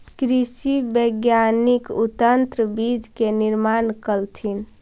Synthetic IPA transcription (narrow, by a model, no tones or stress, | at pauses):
kɾisibəɡjanikut̪ənt̪ɾəbid͡ʒʱkeniɾmankəlt̪ʰin